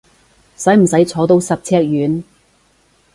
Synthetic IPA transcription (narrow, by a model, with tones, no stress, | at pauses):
sɐ˨˥jm̩˨˩sɐ˨˥jt͡sʰɔː˨˥t̪o˧wsɐ˨p̚t͡sʰɛː˥k̚jyː˨˥n